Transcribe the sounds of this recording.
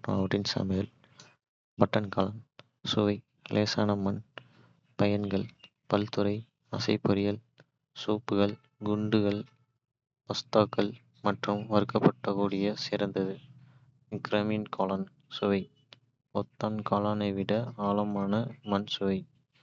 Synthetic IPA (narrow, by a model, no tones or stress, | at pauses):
ɾa̰ːʋʈɪnsa̰mɪɐl | bɐʈːɐnkɐlɐn | sʊʋɐɪ | lʔeːsaːnɐmɐn | pɐjɐnɡɐɭ | pɐlt̪ɯɾɐɪ | ɐ̰sɐɪpːɔɾɪjɐl | suːpːɯɣɐɭ | ɡʊɳɖɯɣɐɭ | pɐst̪aːkːɐɭ | mɐʈrɯmʋɐɾɯkːɐpːɐʈːɐkuːɽɪjɐsɪɾɐnd̪ɐðɯ | kɾɐminkʰaːlɐn | sʊʋɐɪ | ɔt̪ːaːmkaːlaːnɐɪʋɪɽɐaːlɐmaːnɐmɐnsʊʋɐɪ